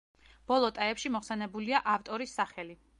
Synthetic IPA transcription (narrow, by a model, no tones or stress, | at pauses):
b̥ɔlˠɔt̪ʼaɛpʃimɔχsɛnɛbuliaʔaft̪ʼɔɾisːaχɛli